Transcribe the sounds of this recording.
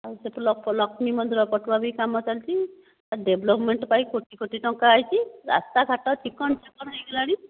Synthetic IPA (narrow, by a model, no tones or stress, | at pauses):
aseplɔkpɔlɔkʰmimɔd̪ʱɾɔpɔʈbabikamɔt̪ʰalt͡ʃʰi | aɖebʱlɔpmeɳʈpaikoʈikoʈiʈɔŋkaːjt͡ʃʰiɾa̰st̪aɡʱaʈɔt͡ʃʰikɔɳt͡ʃʰikɔɽajkelaɽ̃i